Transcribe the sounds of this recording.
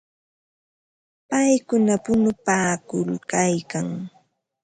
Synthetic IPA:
pajkʊnapʊnʊpaːkʊlkajkaŋ

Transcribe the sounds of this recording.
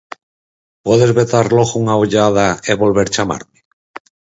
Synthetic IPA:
pweðezβet̪aɾloɣuŋaoʎað̞aeβo̞lβeɾt͡ʃama̰ɾme

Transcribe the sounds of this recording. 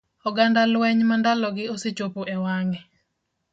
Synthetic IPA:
ɔɡandalwɛɲmandalɔɡɪoset͡ʃopoʔɛwaŋɛ

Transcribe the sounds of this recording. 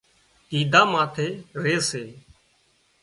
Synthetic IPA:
t̪iːd̪ʱaːmaːt̪ʰeːɾeːseː

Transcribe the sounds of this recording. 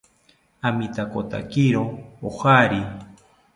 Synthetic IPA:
amit̪akot̪a̰kiɾoohaɾi

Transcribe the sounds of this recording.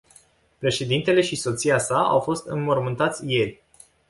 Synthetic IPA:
pɾe̞ʃe̞d̪int̪e̞le̞ʃiso̞t̪siasaa̰wfo̞st̪ɨnmo̞rmɨnt̪at̪sʲje̞rʲ

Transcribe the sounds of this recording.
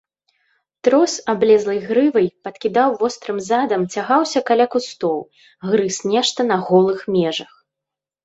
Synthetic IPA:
t̪ɾɔsablʲɛzlˠɐjɣɾɨvɐjpɐt̪kʲid̪awvɔst̪ɾɨmzad̪ɐmt͡sʲaɣawsʲɐkalʲakust̪ɔw | ɣɾɨsnʲɛʂt̪ɐnɐɣɔlˠɨxmʲɛʐɐx

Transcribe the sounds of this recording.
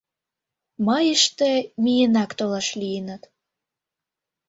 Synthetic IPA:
mɑjəʃt̪emijənɑkt̪olɑʃlijənə̆t̪

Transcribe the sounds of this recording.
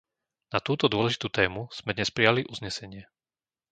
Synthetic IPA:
nat̪uːt̪ɔd̪ʊɔlɛʒit̪uːt̪ɛːmuz̥mɛd̪ɲɛspɾijaliʔuzɲɛsɛɲɪɛ

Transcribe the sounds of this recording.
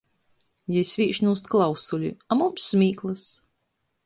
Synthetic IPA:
jɛjsʲvʲiːʃnuːst̪klˠawsulʲḭamumsːmʲiːklˠɨs

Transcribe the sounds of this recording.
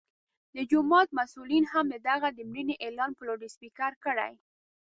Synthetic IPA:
d̪əd͡ʒʊmɑt̪̚masulinhamd̪əd̪aɣad̪əmɾəneʔelɑnpəloɖɪspikaɾkəɽa̰j

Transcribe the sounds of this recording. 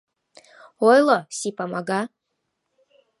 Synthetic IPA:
ojlˠəsipamaɡa

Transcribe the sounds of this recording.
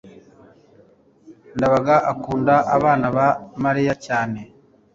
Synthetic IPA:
ndaβaɡaʔakuːndaʔaβaːnaβamaɾijacaːne̞

